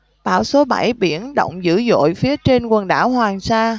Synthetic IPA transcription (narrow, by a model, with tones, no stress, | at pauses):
ɓa̰ː˧˩wso˨˦ɓa˧˩jɓḭ˧˩ənɗə̰˧˨wŋ͡mzɨ̰˧˥zo̰˧˨jfi˨˦ət͡ɕe˧nkwə˨˩nɗa̰ː˧˩whwaː˨˩ŋsaː˧